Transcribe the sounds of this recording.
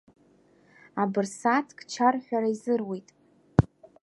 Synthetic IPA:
abɨrsatʰkʼt͡ʃʰarħʷᶣaɾaizɨrwitʼ

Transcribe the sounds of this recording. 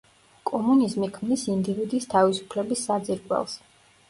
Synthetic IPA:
kʼɔmunizmikʰmnisind̪ivid̪iːst̪ʰavisu̥pʰlɛbisːad̪ziɾɡʼwɛ̰lˠs

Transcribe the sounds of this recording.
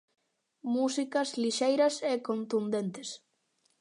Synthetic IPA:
musikɐzliʃejɾɐsekont̪und̪ent̪ɪs

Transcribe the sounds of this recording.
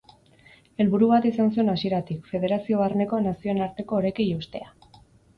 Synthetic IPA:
e̞lβuɾuβat̪isansue̞nasie̞ɾat̪ikfe̞ðe̞ɾasio̞βaɾne̞ko̞nasio̞enaɾt̪e̞ko̞ːɾe̞kejust̪e̞a

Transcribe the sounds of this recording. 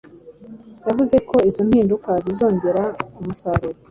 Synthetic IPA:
jaβuze̞ko̞izom̥hiːndukazizo̞ːɲɟe̞ɾaumusaɾuɾo

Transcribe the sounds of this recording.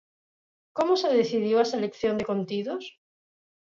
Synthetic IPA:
komoseðeθiðjoesalekθjo̞nd̪ekont̪iðos

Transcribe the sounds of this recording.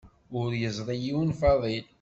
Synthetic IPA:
ʊɾjəzˤɾˤijiwənfɑðˤil

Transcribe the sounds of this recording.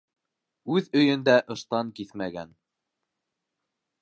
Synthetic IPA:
ʉðɵ̆jɵ̆nd̪æʔɤ̆ʃt̪ɑŋkiθmæɡæ̰n

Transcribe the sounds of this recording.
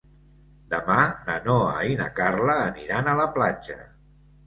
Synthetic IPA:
d̪əmanənoə̰inə̰karləːniɾanələplad͡ʒə̰

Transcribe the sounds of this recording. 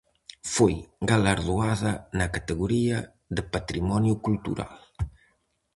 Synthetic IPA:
fojɡalaɾðuaðɐnɐkat̪əɣuɾiɐ | ðəpat̪ɾimɔnjukult̪ṵɾa̰l

